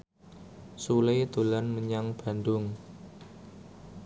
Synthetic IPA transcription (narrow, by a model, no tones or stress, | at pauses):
sulejt̪ṳlanməɲaŋb̥a̤nd̪ʊŋ